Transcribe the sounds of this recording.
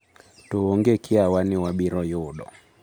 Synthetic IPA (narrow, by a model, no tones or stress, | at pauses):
tuɔŋɡɛkʰiawaniwaɓiɾɔjuɗɔ̰